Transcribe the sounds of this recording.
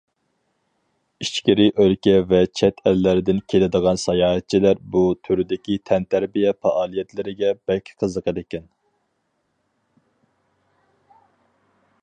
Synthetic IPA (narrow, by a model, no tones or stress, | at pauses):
it͡ʃkʲiɾɪʔølkʲɛvɛt͡ʃʰɛt̪ʰɛlːæɾɪd̪ɪnkʲʰelɪd̪əʁɑnsɑjɑːɦɛt̪̚t͡ʃʰilæɾbut̪ʰyɾɪd̪ɪkʲit̪ʰɛnt̪ʰæɾbijɛfɑʔɑːlˠijɛt̪ʰlɪɾɪɡʲɛbɛkʲʰqʰəzəqəd̪ekʲɛn